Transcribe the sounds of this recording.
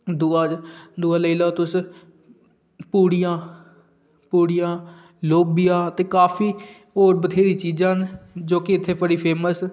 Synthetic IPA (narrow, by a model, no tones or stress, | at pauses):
d̪ʊaːd̪ʊaːləilaːt̪ʊs | puːɽɪjãː | puːɽɪjãː | loːbɪjãːt̪eːkaːpʰiː | oːɾbət̪ʰeːd̪iːt͡ʃiːd͡ʒãːnd͡ʒoːkɪɪt̪ʰːeːpəɽiːpʰeːməs